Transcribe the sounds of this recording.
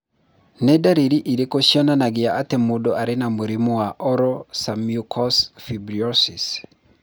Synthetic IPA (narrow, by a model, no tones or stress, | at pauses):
nɛdaɾiɾiʔiɾekoʃjɔnanaɡɪaʔatɛmodɔʔaɾenamoɾimowaʔɔɾɔsamiukʰɔsfibɾiɔsis